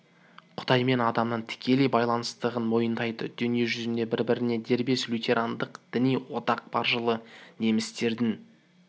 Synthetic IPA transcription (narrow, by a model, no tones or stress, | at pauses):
qʰʊ̥d̪̥ɑjme̞nɑd̪ɑmnəɴt̪ʰɪ̥kʲʰe̞lejbɑjlˠɑnəst̪əʁənmo̞jənd̪ɑjd̪ə̰d̪ʏnijeʒʏzɪnd̪e̞bɪɾbɪɾɪne̞d̪e̞ɾbe̞slʲut̪ʰʲe̞ɾʔand̪əqd̪̥ɪnijwo̞t̪ɑq̚bɑɾʒəlˠəne̞mɪst̪e̞ɾd̪ɪn